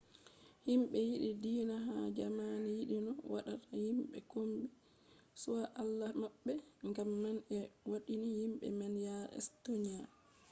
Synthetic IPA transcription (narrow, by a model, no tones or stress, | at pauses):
himɓɛjiɗidiːnaɦad͡ʒamanijiɗinɔwa̰ɗatʰahimɓɛ̰komɓi | suwaʔalːamaɓːɛŋɡamːanɛwaɗinihimɓɛ̰mɛnjaɾɛ̰stoɲa